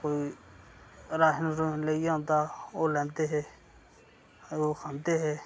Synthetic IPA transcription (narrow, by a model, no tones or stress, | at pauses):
koːi | ɾaːʃnɾoleijãnt̪aːoːlɛ̃ːnt̪eɦɛː | okʰant̪eɦɛː